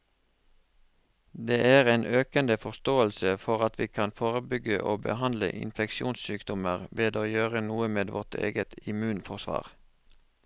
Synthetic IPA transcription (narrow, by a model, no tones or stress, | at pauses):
d̪eːʔæːʁeːnʔøːkənd̪əfɔʁst̪oːəlsəfɔʁɑt̪ʰʋiːkʰɑnfoːʁəbʏɡəʔo̰ːbə̰hɑnd̪lə̰ʔɪ̰nfɛkʃɪuːnssyːkd̪ɔməʁʋeːd̪oːjøːʁənuːəmeːd̪ʋɔʁt̪ʰḛːɡət̪ɪmʉːnfɔʁsʋɑ̰ːʁ